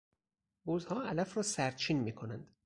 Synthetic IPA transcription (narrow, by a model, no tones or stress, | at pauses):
bozhɒːælæfrɒːsæɾt̪t͡ʃʰiːnmiːkʰonænd̪̥